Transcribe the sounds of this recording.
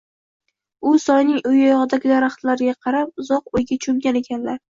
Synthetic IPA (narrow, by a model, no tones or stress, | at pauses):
ʊsɒjnɪŋʊjɒjɒʁɨd̪aɡʲɪd̪aɾaχt̪laɾɡʲaqʰɑɾap̚ʊzɒqojɡʲat͡ʃʰʊmɡʲane̞kʲʰanlaɾ